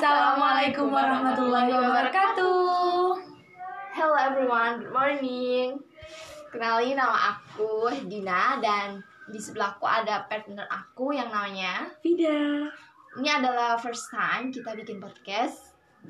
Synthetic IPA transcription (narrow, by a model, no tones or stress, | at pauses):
salamalakʊmwaɾahmat̪ulːɔiabəɾkat̪u | hɛlɛvɾiwanɡmɔrnɪŋ | kənalinama̰ʔakudinadandisəbəlakua̰dapɛt̪̚nərakujaŋnamaɲafidɛ | iniadalahfərst̪ajmkit̪abikɪnpɔr̚kɛs